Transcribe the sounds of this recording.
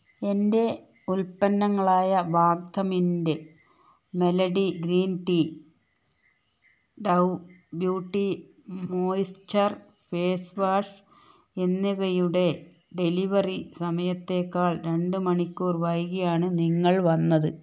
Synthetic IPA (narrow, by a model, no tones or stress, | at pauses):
e̞nde̞ | ulpɐnːɐŋːɐɭaːjɐʋaːɡd̪ʱɐminde | me̞lɐɽiɡɾiːnʈi | ɖɐw | bjuːʈːimoːjistɐr | feːsʋaːʂ | enːiʋejuɽe̞ | ɖe̞liʋɐrisɐmɐjɐt̪ːe̞ːkːaːɭɾe̞ɳɖɨmɐɳikʲːuːrʋɐjɣɐjaːɳɨniŋːɐɭʋɐnːɐðɨ